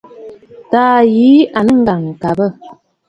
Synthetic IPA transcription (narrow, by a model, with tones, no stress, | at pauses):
taː˨˦jiː˨˦ʔa˨nə˦ŋ̩˦ɡa˨ŋ˨ka˨bə˦˨